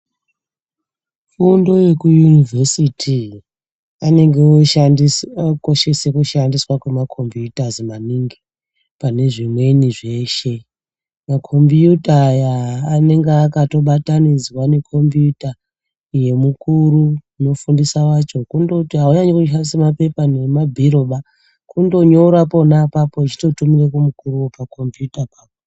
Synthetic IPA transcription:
fundo̞je̞kujunivʱesitʰi | ane̞ŋɡeoiko̞ʃe̞se̞kuʃandiswakwemakʰo̞mbjutazimaniːŋɡi | pane̞ʐimwe̞niʐe̞ːʃe̞ | makʰo̞mbjutajaːne̞ŋɡeakato̞ɓatanid͡zwane̞kʰo̞mbijuta | je̞mukuɾuuno̞fundisawat͡ʃo̞kundotiɦauɲaɲekuʃ̬andisemape̞pane̞mabʱiɾo̞ɓa | kundo̞ɲo̞ɾapo̞napapo̞it͡ʃi̥to̞tumirekumukuɾuwopako̞mbjutapaːpo

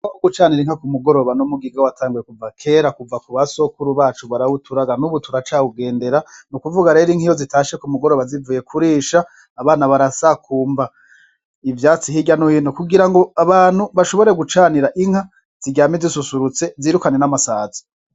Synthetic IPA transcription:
akoɡut͡ʃaːniɾiŋhakumuɡo̞ɾo̞βanomuɡiɡawatʰaːŋɡuje̞kuvakʰe̞ɾakuvakuβaso̞kuɾuβaːt͡ʃuβaɾawutʰuɾaɡanuβutʰuɾat͡ʃauɡe̞ːnde̞ɾanukuvuɡaɾe̞ɾiŋ̥hijo̞zitaːʃe̞kumuɡo̞ɾo̞βazivuːje̞kʰuɾiːʃaː | βaːnaβaɾasakʰuːmba | ivjaːt͡sihiɟanohinokuɡiɾaŋɡo̞aβaːnhuβaʃo̞βo̞ɾe̞ɡut͡ʃaːniɾaʔiŋha | z̥iɟaːmizisusuɾut͡se̞ziːɾukane̞namasaːzi̥

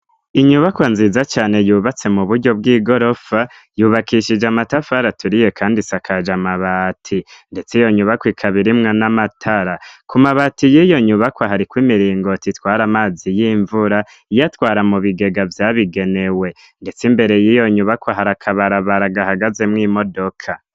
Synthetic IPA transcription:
iɲuβakwanziːzat͡ʃaːne̞juːβat͡se̞muβuɾɟo̞b̚ɡiːɡo̞ɾo̞fa | juːβakiʃid͡ʒamatafaɾatuɾije̞kʰaːndisakʰad͡ʒamaβatʰinde̞t͡sijo̞ɲuβakwikʰaβiɾimŋanamatʰaɾakumaβatijijo̞ɲuβakwaɦaɾikwimiɾiːŋɡo̞titwaːɾamaːzijiɱvuɾa | ijatwaːɾamuβiɡe̞ɡavjaːβiɡe̞ne̞we̞ | nde̞t͡simbe̞ɾe̞jiːjo̞ɲuβakwaɦaɾakʰaβaɾaβaɾaɡahaɡaze̞mŋiːmo̞do̞kʰa

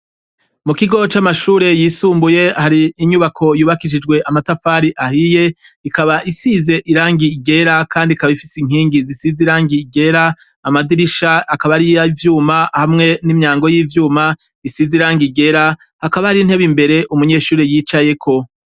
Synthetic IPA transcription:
mukiɡo̞t͡ʃamaʃuːɾe̞jiːsuːmbuje̞haɾiːɲuβakʰo̞juːβakiʃid͡ʒɡwe̞ʔamatafaːɾiʔahije̞ | ikaβaʔisize̞ʔiɾaːŋɡiɡe̞ɾakaːndikaβaifisiŋ̥iːŋɡizisiziɾaːŋɡiɡe̞ɾaː | madiɾiʃaakaβaɾijaivjuːmahamŋe̞nimɲaːŋɡo̞jiːvjuːma | isiziɾaːŋɡiɡe̞ɾa | hakaβahaɾinhe̞βimbe̞ɾe̞ʔumuɲe̞ːʃuːɾejiːt͡ʃaje̞kʰo̞

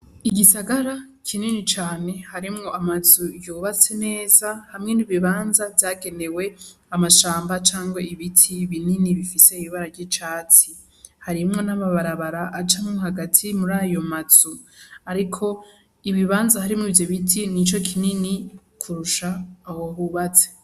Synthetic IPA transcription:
iɡisaɡaɾa | kʰininit͡ʃaːne̞haɾimŋo̞ʔamazujuːβat͡se̞ne̞ːz̥ahamŋe̞niβiβaːnzavjaːɡe̞ne̞we̞ | amaʃaːmbat͡ʃaːŋɡwaiβitʰiβininiβifise̞iβiβaɾaɾɟit͡ʃaːt͡si | haɾimŋo̞namaβaɾaβaɾaʔːt͡ʃamŋoɦaɡatʰimuɾaːjo̞maz̥uaɾikʰo̞ | iβiβaːnzahaɾimŋivjo̞βitʰinit͡ʃo̞kʰinini | kʰuɾuʃaːwoɦuβat͡se̥

